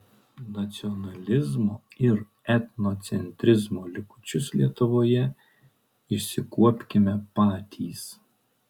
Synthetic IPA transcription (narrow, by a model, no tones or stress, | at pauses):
nɐt̪sʲiɔnɐlʲɪzmɔɪɾ | ɛt̪nɔt̪sʲɛnʲt̪ʲɾʲɪzmɔlʲɪkʊ̥t͡ʃʲʊslʲiɛt̪ʊʋɔjɛ | ɪʃsʲɪkuɔpʲkʲɪmʲɛpɑːt̪ʲiːs